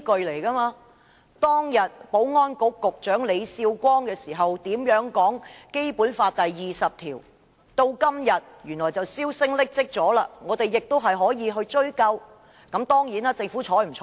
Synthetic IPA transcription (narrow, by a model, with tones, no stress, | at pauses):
kɵ˨ɥle˨˩jkɐ˥maː˧ | t̪ɔː˥ŋjɐ˨t̚po˨˥wŋɔː˥nkʊ˨˥kːʊ˨k̚t͡ʃœː˨˥ŋle˨˧jsiː˧wkʷɔː˥ŋkɛː˧siː˨˩ɦɐ˨wt̪iː˨˥mjœː˨˥ŋkɔː˨˥ŋke˥jpuː˨˥nfaː˧t̚t̪ɐ˨jːiː˨sɐ˨p̚t̪ʰiː˨˩w | t̪o˧wkɐ˥mjɐ˨t̚jyː˨˩nlɔː˨˩jt͡sɐ˨wsiː˥wsɪ˥ŋlɪ˥k̚t͡sɪ˥k̚t͡sɔː˨˥laː˧ŋɔː˨˧t̪e˨jjɪ˨k̚t̪wɦɐ˨jɦɔː˨˥jiː˨˧ɦɵ˧ɥt͡ʃɵ˥ɥkɐ˧w | kɐ˨˥mt̪ɔː˥ŋjiː˨˥naː˥t͡sɪ˧ŋfuː˨˥t͡ʃʰɔː˨˥m̩˨˩t͡ʃʰː